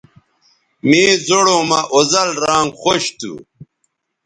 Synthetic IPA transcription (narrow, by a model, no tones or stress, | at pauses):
miːzoɽomɐʔozɐlɾaːŋɡxoɕt̪ṵ